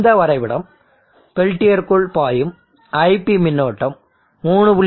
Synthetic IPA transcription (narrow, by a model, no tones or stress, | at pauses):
d̪ɐʋɐɾɐɪʋɪɽɐm | pɛɭʈːɪjɐɾkʊɭpaːjɯm | ɐɪpːimɪnːoːʈːɐmː | uːɳɯpʊɭ